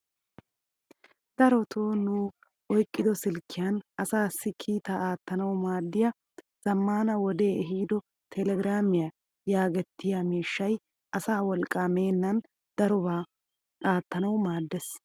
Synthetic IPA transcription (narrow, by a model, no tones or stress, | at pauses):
d̪̥ɐɾɔt̪ʰoːnuː | ʔɔjkʼːɪd̪ɔsɪlkʰːɪjanʔɐsaːsːɪkʰiːt̪aaːt̪ːɐnɐwmaːd̪ːɪjɐ | z̥ɐmːaːnɐwɔd̪e̞ːɛɦiːd̪ɔ | t̪ʰɛlɛɡɾaːmɪja | jaːɡɛt̪ːɪjamiːʃːɐj | ʔɐsaːwɔlkʼːaːme̞ːnːɐn | d̪̥ɐɾɔbaː | aːt̪ːɐnɐwmaːd̪ːɛs